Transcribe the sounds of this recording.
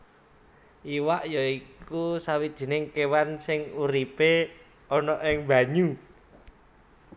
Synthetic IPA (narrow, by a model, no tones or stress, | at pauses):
ʔiwaʔjɔikusawid̥ʒ̥i̤nɪŋkewansɪŋuɾipe | ɔnɔʔɪŋba̤ɲu